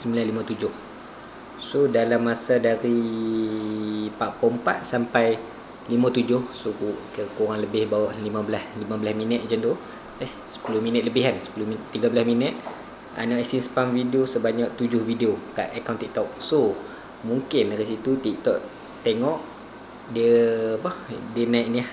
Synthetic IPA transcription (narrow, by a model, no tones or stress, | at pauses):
səmbilanlimãt̪ud͡ʒʊh | sodalamːasadaɾi | paʔpɔmpa̰t̪̚sampaj | limãt̪ud͡ʒʊhsukuʔkəkoɾaŋləbɪhbawaʔlimãbəlaslimãbəlasminət̪̚d͡ʒant̪u | ɛhsə̥pulʊhminət̪̚ləbɪɦansə̥pulʊmit̪iɡabəlasminət̪̚ | a̰naʔɛsinsə̥pamvidiosəbaɲak̚t̪ud͡ʒʊhvideoka̰ʔakawnt̪iʔ̚t̪ɔk̚so | muŋkɪndaɾisit̪ut̪iʔ̚t̪ɔʔ | t̪eŋɔʔ | diəpahdənajʔniah